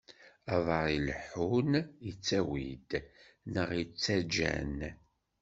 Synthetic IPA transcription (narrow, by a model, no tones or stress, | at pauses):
ɑðˤɑɾˤilħunit͡sːæwḭd̪nəʁit͡sːæd͡ʒæ̰n